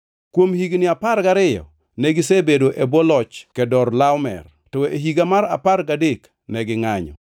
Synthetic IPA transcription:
kwomhiɡnɪaparɡaɾɪjɔ̰ | nɛɡɪsebedoʔebɔlɔt͡ʃkɛdɔrlawmɛ̰r | tɔeɦiɡamaɾa̰parɡadek | nɛɡɪŋaɲɔ̰

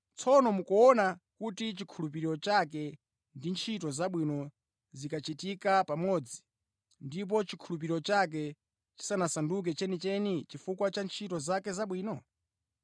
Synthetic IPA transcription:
t͡sʰɔnɔmukɔɔnakutit͡ʃikʰulup̬iɾiɾɔt͡ʃak̬ɛ | ndint͡ʃʰitɔzaɓwinɔ | zikat͡ʃitikapamɔːd͡zi | ndip̬ɔt͡ʃikʰulup̬iɾiɾɔt͡ʃak̬ɛ | t͡ʃi̥sanasanduk̬ɛt͡ʃɛnit͡ʃɛnit͡ʃifukwat͡ʃant͡ʃʰitɔzakɛzaɓwiːnɔ

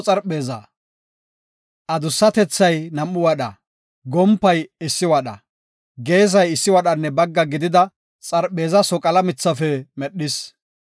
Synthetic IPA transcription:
t͡sʼɐɾɓe̞ːzɐ̰ | ʔɐd̪ʊsːɐt̪ɛt͡sːɐjnɐmːʊwɐɗɐ | ɡɔmpːɐjɪsːɪwɐɗɐ̰ | ɡe̞ːz̬ɐjɪsːɪwɐɗɐnːɛbɐɡːɐɡɪd̪ɪd̪ɐ | t͡sʼɐɾɓe̞ːzɐsɔkʼɐlɐmɪt͡sːɐfɛmɛɗːɪs

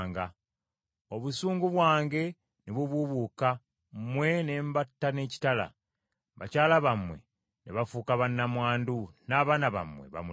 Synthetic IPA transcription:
ŋɡa | o̞βusuːŋɡuβwaːŋɡe̞ | neβuβuβuːka | mmwe̞ne̞ːmbatːane̞ːci̥tala̰ | βa̰caːlaβamwe̞̰ | neβafukaβanːamwaːndunaːβaːnaβa̰mwe̞̰βa̰mu

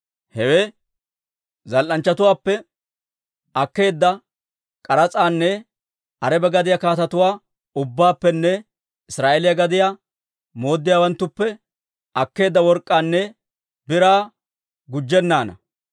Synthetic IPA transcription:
hɛweː | zɐlʔɐnt͡ʃːɐt̪ʊwaːpːɛ | ɐkːe̞ːd̪ːɐ | kʼɐɾɐt͡sʼaːnːɛ | ʔɐɾɛbɛɡɐd̪ɪjakaːt̪ɐt̪ʊwaː | ʊbːaːpːɛnːɛ | ɪsɾaːʔelɪjɐɡɐd̪ɪja | mo̞ːd̪ːɪjawɐnt̪ːʊpːɛ | ɐkːe̞ːd̪ːɐwɔɾkʼːaːnːɛ | bɪɾaː | ɡʊd͡ʒːɛnːaːnɐ̰

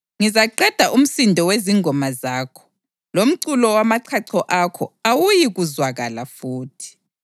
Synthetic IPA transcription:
ŋizaǃɛd̥ʱaʔum̩sindʱɔweziŋʱɔmazaːkʰɔ̥ | lom̩ǀulɔwamaǀʰaǀʰɔʔakʰɔ̰awujiɣuzwaɣalafuːtʰi̥

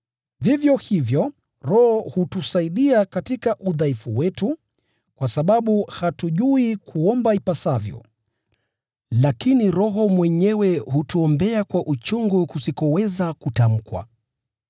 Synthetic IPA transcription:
vivjɔhivjɔ | ɾɔhɔhutusaiɗiakatikaʔuðaifuwɛtu | kwasaɓaɓuhatuʄuikʰuɔmbaipasavjɔ̰ | lakiniɾɔɦɔmwɛɲɛwɛhutuɔmbɛakwaʔut͡ʃuŋɡukusikɔwɛzakutam̩kwa̰

